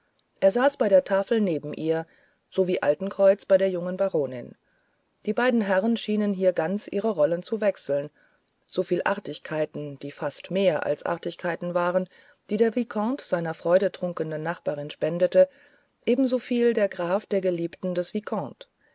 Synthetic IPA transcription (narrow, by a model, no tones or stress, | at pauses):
ʔeːɐzaːsb̥aɪɾeːɐtʰaːfl̩neːbm̩ʔiːɐ | z̥oviːʔa̰ltn̩kʁ̥ɔʏt͡sb̥aɪɾeːɐjʊŋənbaʁoːnɪ̰n | d̥iːbaɪdn̩ɦɛʁənʃiːnənɦiːɐɡant͡sʔiːʁəʁɔlənt͡suvɛksl̩n | z̥ofiːlʔa̰ʁtɪçkʰaɪtn̩d̥iːfastmeːɐʔa̰lsʔa̰ɐtɪçkʰaɪtn̩vaːʁən | d̥iːdeːɐvikʰɔ̃tz̥aɪnɐfʁ̥ɔʏɾətʁ̥ʊŋkəndənːaχb̥aːʁɪnʃpɛndətə | ʔeːbm̩zofiːldeːɐɡʁaːfd̥eːɐɡəliːptn̩dɛsv̥ikʰɔ̃ːt